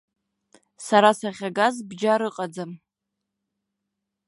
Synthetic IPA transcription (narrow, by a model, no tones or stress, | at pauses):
saɾasaχʲaɡazbd͡ʒaɾɨqʼad͡zam